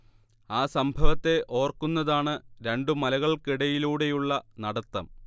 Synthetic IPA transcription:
aːsɐmbʱɐʋɐt̪ːe̞ʔo̞ːrkunːɐðaːɳɨɾe̞ɳɖɨmɐlɐɣɐɭkiɽɐjiluːɽe̞juɭːɐnɐɽɐt̪ːɐm

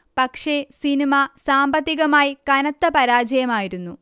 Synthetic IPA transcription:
pɐkʂe̞sinimasaːmbɐt̪ːiɣɐmaːjikɐnɐt̪ːɐpɐɾaːd͡ʑɐjɐmaːjiɾunːu

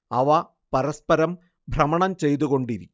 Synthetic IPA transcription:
ɐʋɐ | pɐɾɐspɐɾɐm | bʱrɐmɐɳɐmt͡ɕe̞jt̪̬uɣo̞ɳɖiɾikʲː

